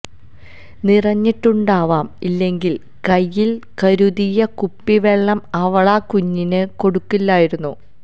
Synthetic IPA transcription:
nirɐɲːiʈːuɳɖaːʋaːmilːe̞ŋɡil | kɐjːilkɐɾuðijɐkupːiʋeɭːɐmɐʋɐɭaːkuɲːinɨko̞ɽukːilːaːjiɾunːu

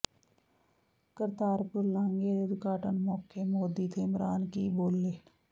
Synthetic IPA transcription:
kəɾt̪aːɾpʊɾlãːŋɡeːɾeːd̪ʊkaːʈənmɔːkeːmoːd̪iːt̪ʰeːɪmɾaːnkiːboːlːeː

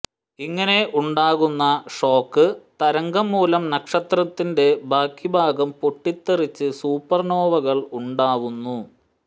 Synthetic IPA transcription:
iŋːɐne̞ʔuɳɖaːɣunːɐʂo̞ːkːɨt̪ɐɾɐŋɡɐmːuːlɐmnɐkʂɐt̪rɐt̪ːinde̞bʱaːkːibʱaːɡɐmpoʈːit̪ːerit͡ɕːɨsuːpːɐrno̞ːʋɐɣɐɭuɳɖaːʋunːu

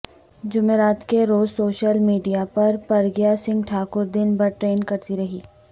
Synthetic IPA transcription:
d͡ʒʊmeːɾaːt̪keɾoːzsoːʃəlmiːɖijapɐɾpɐɾɡjasɪ̃ŋɡʈʰaːkʊɾd̪ɪnbɐɾʈɾeːnkɐɾt̪iɾɐɦiː

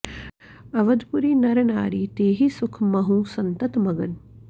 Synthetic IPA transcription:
ɐʋəd̪puɾiːnɐɾnaːɾiːt̪eːɦisʊkʰmɐɦũsɐnt̪ət̪mɐɡən

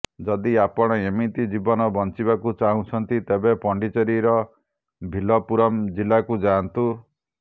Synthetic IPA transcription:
d͡ʒɔd̪iapɔɽ̃ɔemit̪id͡ʒibɔnɔbɔnt͡ʃiβakut͡ʃaɦũt͡ʃʰɔnt̪it̪ebepɔɳɖit͡ʃɔɾiɾɔ | bʱilɔpuɾɔmd͡ʒilakud͡ʒant̪u

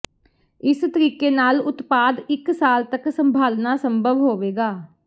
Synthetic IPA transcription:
ɪst̪əɾiːkeːnaːlʊt̪paːd̪ɪksaːlt̪əksəmbʱaːlnaːsəmbʱəʋɦoːʋeːɡaː

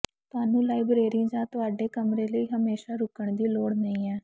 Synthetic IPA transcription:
t̪ʊaːnũːlaːibɾeːɾɪ̃d͡ʒãːt̪ʊaːɖeːkəmɾeːləiːɦəmeːʃaːɾʊkəɳd̪iːloːɽnəĩːɛː

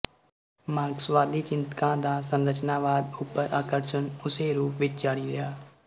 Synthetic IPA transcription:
maːɡswaːd̪iːt͡ʃɪnt̪kãːd̪aːsənɾət͡ʃnaːʋaːd̪ʊpːəɾʔaːkəɾʃənʊseːɾuːpʰʋɪt͡ʃd͡ʒaːɽiːɾɪjaː

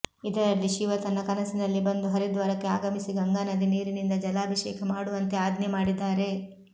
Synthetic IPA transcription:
id̪ɐɾɐlːiʃiʋɐt̪ɐnːɐkɐnɐsinɐlːibɐnd̪uɦɐɾid̪ʋɐɾɐkːeaːɡɐmisiɡɐŋɡaːnɐd̪iniːɾinind̪ɐd͡ʒɐlaːbʱɐʃɛːkʰɐmaːɽuʋɐnt̪eaːd̪nemaːɽid̪ːaːɾe̞

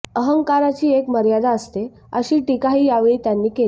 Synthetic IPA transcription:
əɦəŋkaɾat͡ɕiːekməɾjad̪ʱaəst̪e | əɕiːʈikaɦiːjaʋeɭit̪janːiːkel

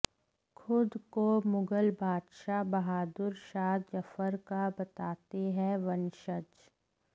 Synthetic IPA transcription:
xʰʊd̪komʊɡəlbʱaːd̪ʃabɐɦaːd̪ʊɾʃaːd̪jɐfəɾkabɐt̪aːt̪eɦɛ̃ʋɐnʃət͡ʃ

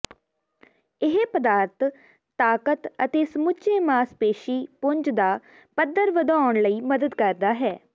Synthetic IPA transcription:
ɪɦpəd̪aːɾt̪ʰ | t̪aːkət̪ə̰t̪eːsəmʊt͡ʃeːmaːspeːʃiːpʊɲd͡ʒd̪aː | pəd̪əɾʋəd̪aːʊɳləiːməd̪əd̪kəɾd̪aːɦɛː

